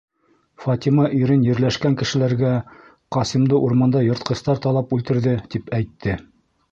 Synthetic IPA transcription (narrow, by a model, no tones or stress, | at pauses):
fɑt̪imɑʔiɾɘnjɘ̆ɾlæʃkæŋkɘ̆ʃɘ̆læɾɡæ | qɑsimd̪ɤʔuɾmɑnd̪ɑjŏɾt̪̚qɤ̆st̪ɑɾt̪ɑlˠɑpʉlt̪ɘ̆ɾðɘt̪ipæjt̪ːɘ